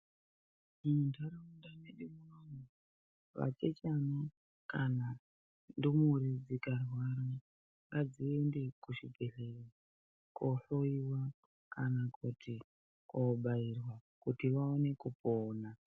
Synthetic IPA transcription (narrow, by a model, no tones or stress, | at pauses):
d͡ʒindaɾeundaneɗimuronu | ʋa̰t͡ʃet͡ʃana | kana | ndimuɾid͡zikarwaɾa | ŋɡad͡ziendekuʃibʱeɬeri | koɬoiwa | kanakutʰi | koɓairwakutiʋaone̞kupoːna